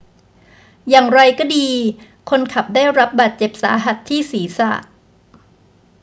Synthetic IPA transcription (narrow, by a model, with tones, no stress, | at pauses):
jaː˨˩ŋɾa˧jkɔː˥˩diː˧ | kʰo˧nkʰa˨˩p̚daː˥˩jɾa˦˥p̚baː˨˩t̪̚t͡ɕe˨˩p̚sa̰ː˩˦ɦa˨˩t̪ʰːiː˥˩siː˩˦sa̰˨˩